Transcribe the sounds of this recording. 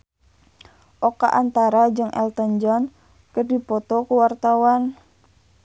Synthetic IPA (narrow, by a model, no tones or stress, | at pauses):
ʔɔka̰ʔant̪aɾad͡ʒɨŋʔɛ̰lt̪ənd͡ʒɔn | kərdipɔt̪ɔkuwart̪awan